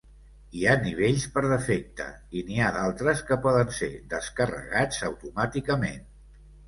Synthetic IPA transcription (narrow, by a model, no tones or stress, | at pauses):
ianiβ̞eʎspəɾðəfɛk̚t̪ə̰ | iniaðalˠt̪ɾəskəpɔðənsḛd̪əskərə̰ɣad͡zəwt̪umat̪ikəmen